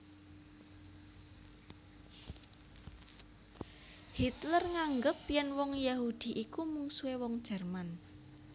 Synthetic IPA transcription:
hit̪lərŋaŋɡəpjɛnwɔŋjahud̪̥i̤ʔikumuŋsuewɔŋd̥ʒ̥ɛrman

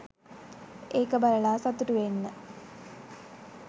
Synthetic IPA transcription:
eːkəbɐləɭaːsɐt̪uʈuʋenːə

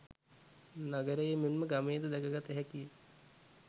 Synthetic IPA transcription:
naɡəɾəjəmemməɡameːd̪əd̪ɛkəɡat̪əɦɛkijə

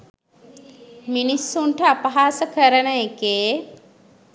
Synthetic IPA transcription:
minisːuɳʈəapɐɦaːsəkəɾənəekeː

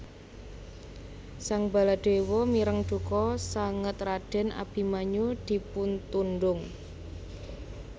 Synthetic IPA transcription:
saŋba̤laɖ̪̥e̤wɔmiɾəŋɖ̪̥ṳkɔsaŋət̪raɖ̥ɛ̤nʔa̰b̥i̤maɲud̪̥i̤punt̪unɖʊŋ

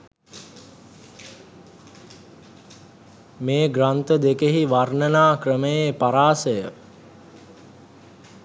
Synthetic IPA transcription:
meːɡrant̪əd̪ekeɦiʋarnənaːkrəməjepaɾaːsəjə

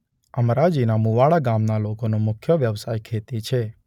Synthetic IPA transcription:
əmɾad͡ʒinamuʋaɭaɡamnalokonomʊkʰjəʋjəʋsajkʰet̪it͡ʃʰe

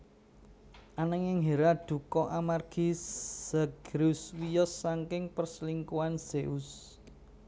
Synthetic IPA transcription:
ʔanəŋjɪŋɦeɾad̪̥ṳkɔʔamarɡ̥isəɡ̥ɾuswijɔsːaŋkɪŋpərsliŋkuanseʔus

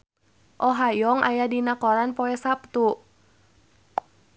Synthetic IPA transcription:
ʔɔɦajɔŋa̰jadinakɔɾanpɔɛsap̚t̪u

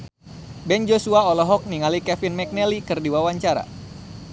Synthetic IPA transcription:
bɛnd͡ʒosuaɔlɔɦɔk̚niŋalikɛfinmɛk̚nɛlikɨrdiwawaɲt͡ʃaɾa̰

